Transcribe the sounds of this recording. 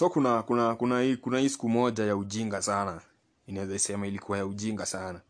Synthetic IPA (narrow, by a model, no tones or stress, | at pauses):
sɔɔkunakunakunahikunahiːsi̥kumɔʄajauʄiŋɡasana | inawɛzaisɛmailikuwajauʄiŋɡasana